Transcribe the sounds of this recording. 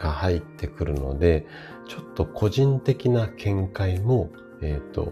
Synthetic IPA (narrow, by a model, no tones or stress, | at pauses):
ɡ̥ahait̪ːe̞kɯ̟ɾɯ̟no̞̰d̪e̞ | t͡ɕo̞t̪ːo̞kʰo̞ʑĩnt̪e̞kʲinakʰẽ̞ŋkaimo̞ | eːt̪ːo̞̰